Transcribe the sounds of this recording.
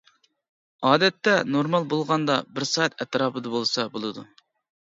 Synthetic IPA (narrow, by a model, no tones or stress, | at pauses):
ɑːd̪ɛt̪ːɛnoɾmɑlˠbolˠʁɑnd̪ɑbɪɾsɑt̪ɛt̪ɾɑːpʰɨd̪ɑbolˠsɑbolˠɨd̪u